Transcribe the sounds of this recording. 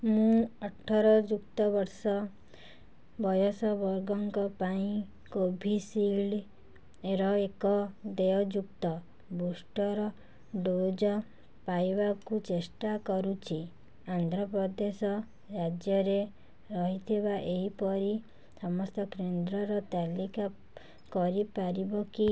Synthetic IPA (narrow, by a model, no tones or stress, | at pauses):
mũɔʈʰɔɾɔd͡ʒuk̚t̪ɔbɔɾsɔ | bɔjɔsɔbɔɾɡɔŋkɔpaĩ | kobʱisil | eɾɔekɔd̪eɔd͡ʒuk̚t̪ɔ | busʈɔɾɔ | ɖod͡ʒɔ | pajbakut͡ʃesʈakɔɾut͡ʃʰi | and̪ʱɾɔpɾɔd̪esɔ | ɾad͡ʒjɔɾe | ɾɔɦit̪ʰibaʔeɦipɔɾi | sɔmɔst̪ɔkɾend̪ɾɔɾɔt̪alika | kɔɾipaɾibɔki